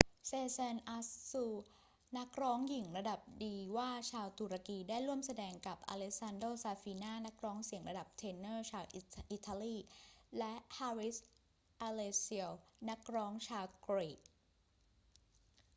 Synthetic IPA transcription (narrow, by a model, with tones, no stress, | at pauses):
seː˧sɛ˧nʔa˧ssuː˧ | na˦˥k̚ɾɔː˦˥ŋji˨˩˦ŋɾa˧da˨˩p̚diː˧waː˥˩t͡ɕʰaː˧wt̪u˨˩ɾa˧kiː˧daː˥˩jɾu˥˩əmsa˧dɛː˧ŋka˨˩p̚ʔa̰ː˧le˦˥sa˧ndoː˥˩saː˧fiː˧naː˥˩na˦˥k̚ɾɔː˦˥ŋsi˨˩əŋɾa˧da˨˩p̚t̪ʰeː˧nːɤː˥˩t͡ɕʰaː˧wʔi˩ʔi˨˩t̪ʰːaː˧liː˥˩lɛ˦˥ʔha˧ɾi˦˥s | ʔa˧leː˧si˧əwna˦˥k̚ɾɔː˦˥ŋt͡ɕʰaː˧wkɾeː˨˩t̚